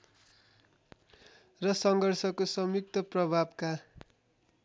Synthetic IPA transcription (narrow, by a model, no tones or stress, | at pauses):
rʌsʌŋɡʌrsʌkosʌmjuk̚t̪ʌprʌbʱabka